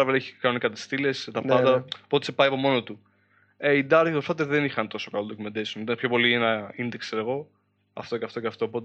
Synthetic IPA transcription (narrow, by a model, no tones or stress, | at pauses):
ɐveleçikɐnonikɐt̪i̥st̪ile̞st̪ɐpɐd̪ɐpo̞t̪i̥sepɐijɐpo̞mo̞not̪u | eid̪ɐɾt̪it̪opsfɐt̪eðenixɐnt̪o̞sokɐlod̪ocumend̪esunit̪ɐnpço̞po̞lienɐind̪ekseɾeɣo̞ | ɐ̰ft̪oceɐft̪oceɐft̪o̞ːpo̞t̪e